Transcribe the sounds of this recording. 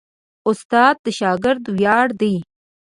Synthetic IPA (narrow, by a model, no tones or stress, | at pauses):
ʊst̪ɑːd̪̚ːəʃɑːɡɪɾd̪wjɑːɽd̪i